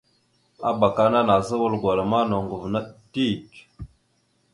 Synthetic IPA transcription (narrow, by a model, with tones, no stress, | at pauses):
a˦ba˨ka˦na˦na˨zə˦wə˦lɡwa˨lə˨ma˦no˨ŋɡu˨vna˦ti˦˨t͡ʃ